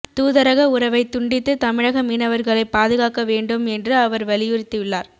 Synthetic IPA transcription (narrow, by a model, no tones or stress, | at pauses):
t̪uːðɐɾɐɣɐʊɾɐʋɐɪt̪ːʊɳɖɪt̪ːɯt̪ɐmɪɻɐɣɐmiːnɐʋɐɾɣɐɭɐɪpːaːðɯɣaːkːɐʋeːɳɖɯmɛndrɯɐʋɐɾʋɐlɪjʊrɪt̪ːɯʋɪɭːaːɾ